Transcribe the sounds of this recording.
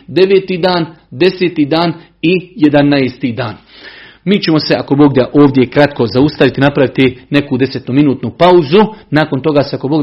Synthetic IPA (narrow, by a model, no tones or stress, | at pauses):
d̪e̞ʋeːt̪id̪aːn | d̪e̞set̪id̪aːn | ije̞d̪anaest̪id̪aːn | miːt͡ɕe̞mo̞se̞ʔako̞bo̞ːɡd̪aʔo̞ːʋd̪je̞kɾat̪ko̞zaust̪aʋit̪inapɾaʋit̪ine̞kuːd̪e̞set̪numinuːt̪nupauzunaːko̞nt̪o̞ɡaːseako̞boɡ